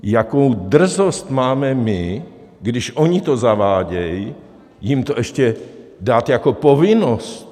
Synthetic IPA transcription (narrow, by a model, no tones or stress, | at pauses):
jakowd̪r̩zost̪maːmɛmɪ | ɡdɪʃʔoɲit̪ozavaːɟɛji | jimt̪oʔɛʃcɛdaːt̪jakopovɪnost̪